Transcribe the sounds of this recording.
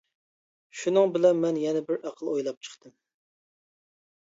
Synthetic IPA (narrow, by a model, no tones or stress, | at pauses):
ʃunɨŋbɪlɛnmɛnjɛnɛbɪɾʔæqʰəlˠojlˠɑp̚t͡ʃʰə̥χt̪ɨm